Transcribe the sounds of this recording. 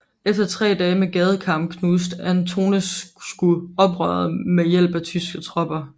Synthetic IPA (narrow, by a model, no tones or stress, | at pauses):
efd̥ɐt͡sʰʁɛ̰ːd̥ɛːmeɡ̥ɛːð̞ˠəkʰɑ̈m̰kʰnus̬d̥ænt͡sʰo̝ːnəsɡ̥uɒ̽b̥ʁœːðˠmejel̰b̥æt͡sʰysɡ̥ət͡sʰʁɒ̽b̥ɐ